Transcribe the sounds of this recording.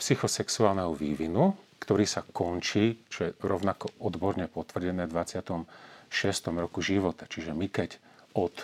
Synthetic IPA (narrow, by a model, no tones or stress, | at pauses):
psixɔsɛksuaːlnɛɦɔʋiːʋinukt̪ɔɾiːsakɔnt͡ʃiːt͡ʃɔjɛɾɔʊnakɔɔd̪bɔɾɲɛpɔt̪ʋr̩ɟɛnɛːvd̪ʋat͡sɪat̪ɔmʃɪɛst̪ɔmɾɔkuʒiʋɔt̪at͡ʃiʒɛmikɛc | ɔt̪